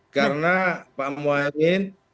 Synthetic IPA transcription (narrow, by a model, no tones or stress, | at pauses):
kaɾnapaʔmuamɪn